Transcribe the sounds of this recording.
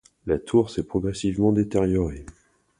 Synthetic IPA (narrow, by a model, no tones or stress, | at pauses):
lat̪ʰuʁsɛpχɔɡʁɛsivmɑ̃d̪et̪eʁjɔʁe